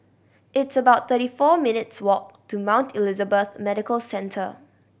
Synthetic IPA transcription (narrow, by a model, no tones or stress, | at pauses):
ʔɪtsəbaʊt̚θəɾifɔmɪnɪtswɔk̚tʰumãʊ̃ntʰilizəbəθmɛɾɪkəlsɛ̃ntʰə